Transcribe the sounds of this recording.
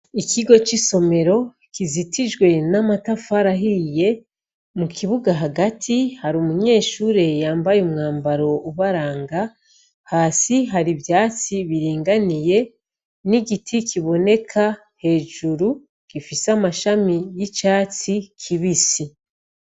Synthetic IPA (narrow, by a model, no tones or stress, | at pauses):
ikiɡo̞t͡ʃiso̞me̞ɾo̞ | kizitiʒɡwe̞namatafaɾaɦije̞ | mukiβuɡaɦaɡatʰihaɾumuɲe̞ːʃuːɾe̞jaːmbajumŋaːmbaɾo̞uβaɾaːŋɡa | haːsiɦaɾivjaːt͡siβiɾiːŋɡanije̞ | niɡitʰikʰiβo̞ne̞kʰa | he̞ːʒuɾu | ɡ̥ifisamaʃamijit͡ʃaːt͡sikʰiβisi